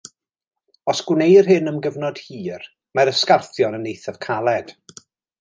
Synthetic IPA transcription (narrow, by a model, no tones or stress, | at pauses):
ɔsɡ̥wnejrɦɨnəmɡəvnɔd̥hiːr | maɾəskarθjɔnənːejθav̥kʰalˠɛd̥